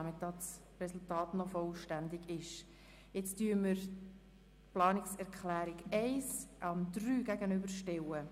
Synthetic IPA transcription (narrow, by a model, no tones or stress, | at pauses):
ɑmɪtɑks | rɛsultɑːtnɔfɔlʃtænd̪ɪɡɪʃ | jɛt͡styːəməɾ | plɑːnɪksɛʁkχlæːɾɪɡɛɪsʔɑndryːɡæɡənʏbəɾʃtɛwə